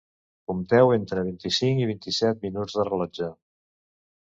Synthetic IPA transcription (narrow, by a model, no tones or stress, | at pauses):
kumt̪ɛwent̪ɾəβ̞int̪isiŋkiβ̞int̪isɛt̪̚minud͡zðərələd͡ʒa